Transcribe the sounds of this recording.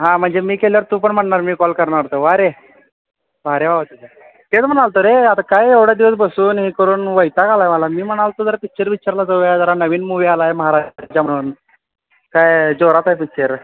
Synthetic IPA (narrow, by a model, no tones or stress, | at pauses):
ɦãm̤əɳd͡zemiːkeljaʋəɾt̪uːpəɳm̤əɳɳaɾmiːkɔlkəɾɳaɾt̪oʋaɾe | ʋaɾeʋaʋat̪it̪a | t̪et͡sm̤əɽ̃alt̪oɾeat̪akajeʋɽjad̪iʋəs̬bəsuːnɦikəɾuːnʋəjt̪akalaɦjməlamiːm̤əɽ̃alt̪od͡zəɾfik̚t͡ɕəɾʋiaɾlad͡zəʋad͡zaɾanəʋiːnmuʋialajeməɦaɾat͡ɕam̤əɽuːn | kajd͡zoɾat̪ajfik̚t͡ɕəɾ